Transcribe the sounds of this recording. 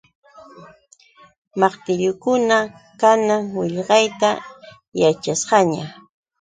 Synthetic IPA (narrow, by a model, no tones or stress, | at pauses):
mɑqt̪ɪʎʊkʊna | kanaŋwɪʎɢɑjt̪a | jat͡ʃasɢɑɲa